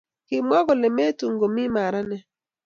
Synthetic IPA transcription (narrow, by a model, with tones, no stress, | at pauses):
kɪ˨m˦ɔ˦ɡɔ˨lɛ˨me˦tu˨ŋɡo˨mi˦ma˨ɾa˦nɛ˨